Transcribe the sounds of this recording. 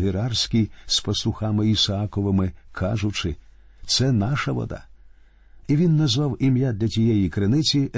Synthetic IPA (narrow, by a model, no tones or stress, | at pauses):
ɦɪɾɑrsʲkʲispɔslˠʊxamɪisɐɑkɔʋɪmɪkʰɑ̰ʒʊt͡ʃɪ | t̪sɛnɑʃɐʋɔ̰d̪ɑ̰ | iʋʲinːɐzʋɑwimʲjad̪ʲlʲɐtʲijɛjikɾɪnɪt͡sʲi